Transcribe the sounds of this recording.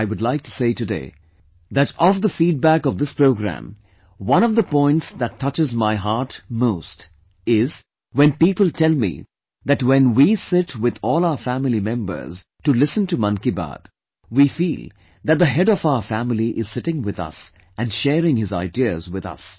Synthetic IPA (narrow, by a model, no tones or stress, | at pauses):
ɪwʊdlaɪk̚tʰu̥seɪtɨdḛɪ | ðæɾɔfðəfiːd̚bækʌvd̪ɪspɹoʊɡɹæ̰̃m | wʌ̃ñʌvðəpɔ̃ɪ̃ntsðætʰːʌt͡ʃɨzmaɪɦɑɹtmoʊst | ɪz | wɛ̃npipəlˠtʰɛlˠmḭ | ðɨtwɛ̃nwisɪtʰwɪðɔːlˠaʊə˞fæmɪlimɛ̃mbə̰˞z̥ | tɨlɪsə̃ntɨmʌ̃nkiba̰d̪̥ | wifilˠ | ðɨt̚d̪əɦɛɾʌvaʊə˞fæmɪliʔɪz̥sɪɾɪ̃ŋwɪðʌ̰s | ʔɨ̃nʃɛːɾɪ̃ŋhɨza̰ɪdiəzwɪðʌ̰s